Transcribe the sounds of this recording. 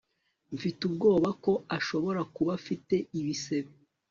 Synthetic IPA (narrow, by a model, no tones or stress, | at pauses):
ɱfitub̚ɡo̞ːβako̞aʃo̞βo̞ɾakuβafite̞iβise̞βe